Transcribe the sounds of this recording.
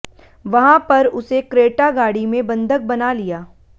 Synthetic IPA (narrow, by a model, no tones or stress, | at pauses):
ʋɐɦãpɐɾʊsekɾeːʈaɡaːɽimẽbɐ̃nd̪ʱək̚bɐnalijaː